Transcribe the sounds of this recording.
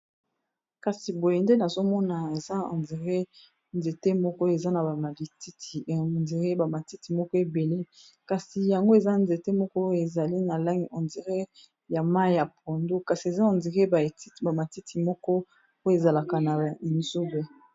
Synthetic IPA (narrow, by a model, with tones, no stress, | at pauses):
ka˨si˨bo˨je˨nde˦na˨zo˦mɔ˦na˨e˨za˦ɔ̰˨ndi˨ʁe˦ | nze˨te˦mɔ˦kɔ˦e˨za˦na˨ba˨ma˨li˨ti˦ti˨ndi˨ʁe˦ba˨ma˨ti˦ti˨mɔ˦kɔ˦e˨be˨le˦ | ka˨si˨ja˨ŋɡo˦e˨za˦nze˨te˦mɔ˦kɔ˦e˨za˨li˦na˨la˦ŋi˨ʔɔ˨ndi˨ʁe˦ | ja˨ma˦i˦ja˨pʰo˨ndo˦ka˨si˨e˨za˦ɔ˨ndi˨ʁe˦ba˨i˦˨ba˨ma˨ti˦ti˨mɔ˦kɔ˦ | o˦e˨za˨la˨ka˨na˨i˨nzu˦be˦